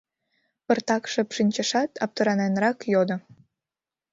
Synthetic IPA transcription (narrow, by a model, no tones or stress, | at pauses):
pərt̪ɑkʃəpʃinʲt͡ɕəʃɑt̪ɑp̚t̪əɾɑnenrɑkjod̪o